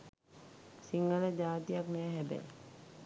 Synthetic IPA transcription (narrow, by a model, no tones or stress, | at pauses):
siŋɡələd͡ʒaːt̪ijaknɛːɦɛbæ̰